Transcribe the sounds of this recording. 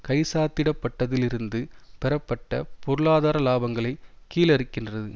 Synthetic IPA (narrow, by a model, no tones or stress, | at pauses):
kɐɪsaːt̪ːɪɽɐpːɐʈːɐðɪlɪɾɯnd̪ɯpɛɾɐpːɐʈːɐ̰pɔɾɯɭaːðaːɾɐlaːbɐŋɡɐɭɐɪkːiːlɐɾɯkːɪndrɐðɯ